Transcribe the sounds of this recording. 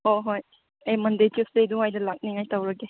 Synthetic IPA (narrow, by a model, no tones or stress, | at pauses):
hoɦoj | ajmɐndəjtisdejduŋajdɐlak̚niŋajtawɾaɡe